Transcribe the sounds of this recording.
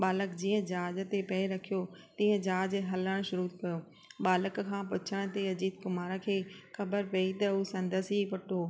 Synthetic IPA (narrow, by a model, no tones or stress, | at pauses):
ɓaːləkd͡ʑiːə̃d͡ʑaːd͡ʑə̆t̪epɐeɾɐkʰijot̪ĩːə̃d͡ʑaːd͡ʑɦɐləɽ̃ʃʊɾukɐjo | ɓaːləkkʰãːp̬ʊt͡ɕʰəɽ̃t̪eɐd͡ʑiːt̪̚kʊmaːɾəkʰeːxɐbəɾpɐit̪ɐuːsɐ̃nd̪əsɦipʊʈʰoː